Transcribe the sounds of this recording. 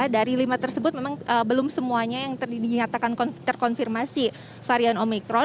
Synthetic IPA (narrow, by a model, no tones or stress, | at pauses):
daɾilimat̪ərsəbʊt̪̚memaŋʔəbəlʊmsəmuaɲajaŋt̪iɲat̪akankɔnt̪ərkɔnfirmasi | faɾianomikɾɔ